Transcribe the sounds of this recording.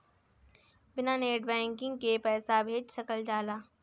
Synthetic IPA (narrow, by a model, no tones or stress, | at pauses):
bɪnaːneːʈbɛ̃ːŋkɪ̃ŋɡkepɛːsabʱeːd͡ʒsɐkəld͡ʒaːlaː